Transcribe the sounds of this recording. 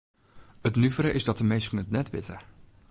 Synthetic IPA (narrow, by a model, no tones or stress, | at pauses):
ətnyvəɾəʔɪzdɔtəmejskənətnɛtʋɪtə